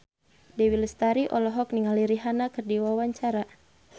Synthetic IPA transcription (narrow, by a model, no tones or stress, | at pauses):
dɛwiləst̪aɾiʔɔlɔɦɔk̚niŋaliɾiɦanakərdiwawaɲt͡ʃaɾa